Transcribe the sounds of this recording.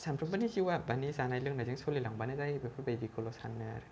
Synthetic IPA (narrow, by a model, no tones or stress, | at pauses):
sʰanpʰɾɯbanisiwabanisanajlɯŋnazaŋsʰlilaŋbanazajbapʰubajbikʰolosanːɯɾ